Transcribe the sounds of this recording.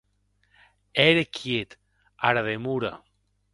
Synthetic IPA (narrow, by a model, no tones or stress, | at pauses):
ɛɾekʰjet̪ | aɾaðemuɾa̰